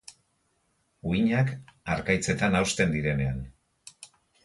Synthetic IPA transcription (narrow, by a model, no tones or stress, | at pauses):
uiɲakaɾkajt͡se̞t̪anawst̪end̪iɾe̞ne̞an